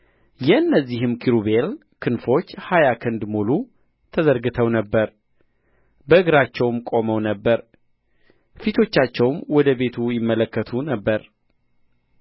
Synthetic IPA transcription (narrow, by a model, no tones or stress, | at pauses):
jɛɨnːəzːiɦɨmkʰiɾuβel | kʰɨnfo̞t͡ʃːhajakʰɨnd̪mulu | t̪ʰəzəɾɡɨt̪ʰəwnəbːəɾ | bəɨɡɾat͡ʃːɛwmkʼo̞məwnəbːəɾ | fit̪ʰo̞t͡ʃːat͡ʃːɛwmwɔd̪əbe̞t̪ʰujɪmːələkːət̪ʰunəbːəɾ